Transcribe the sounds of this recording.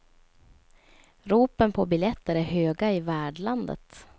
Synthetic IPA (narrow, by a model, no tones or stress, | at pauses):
ɾuːpənpʰɔbɪljɛt̪ːəɾæɾɦøːɡaɪvæːɖɭand̪ə̰t̪